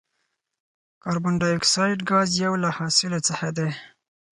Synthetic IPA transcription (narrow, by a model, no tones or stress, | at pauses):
kɑɾbʊɳɖɑjʊksɑjʈɡɑzjawlahɑsɪlot͡səxad̪e